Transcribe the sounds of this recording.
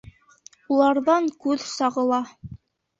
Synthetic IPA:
ulˠɑɾðɑŋkʉðsɑʁɤ̆lˠɑ

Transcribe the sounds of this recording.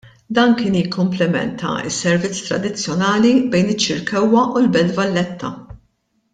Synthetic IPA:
d̪ɐːnkɪːnjɪkːʊmplɪmɛ̰nt̪ʰɐ̰ɪ̰sːɛɾvɪt͡sːt̪ɾɐ̰d̪ɪt͡sːjɔnɐːlibɛjnɪt͡ʃːɪɾkɛwːɐʔulbɛld̪vɐlːɛt̪ʰːɐ

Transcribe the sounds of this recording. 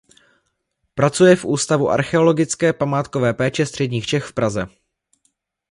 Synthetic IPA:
pɾat͡sujɛfʔuːst̪avuʔa̰ɾxɛo̞loɡɪt͡skɛːpamaːt̪kovɛːpɛːt͡ʃɛst̪r̥ɛdɲiːxt͡ʃɛxfpɾazɛ

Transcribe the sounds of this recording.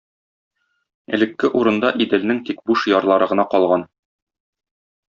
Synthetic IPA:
ɘ̰̆lɘ̆kːɘʔuɾɤ̆nd̪ɑʔid̪ɘ̆lnɘŋt̪ik̚buʃjɒɾlˠɑɾɤʁɤ̆nɑqɒlˠʁɑn

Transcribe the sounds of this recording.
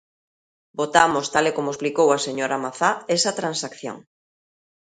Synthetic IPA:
bot̪amost̪alekomoesplikowaseɲoɾamaθaesat̪ɾansakθjo̰ŋ

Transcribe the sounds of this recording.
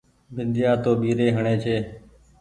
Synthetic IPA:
bʱɪnd̪ɪjaːt̪oːɓiːɾeːɦəɳeːt͡ʃʰeː

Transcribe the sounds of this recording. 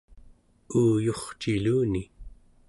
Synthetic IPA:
uːjo̞χt͡ʃiluːni

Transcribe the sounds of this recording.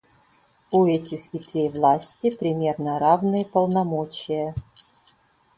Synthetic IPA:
uɛtʲɪxʲit̪vʲejvlˠasʲtʲɪpɾʲɪmʲe̞rnəɾavnɨjəpəlˠnamot͡ɕɪjə

